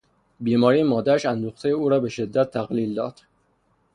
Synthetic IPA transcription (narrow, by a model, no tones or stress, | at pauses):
biːmɒːɾijemɒːd̪æɾæʃænd̪uxt̪ʰejeuːɾɒːbe̞ʃe̞d̪ːæt̪ʰːæɣliːld̪ɒːd̪̥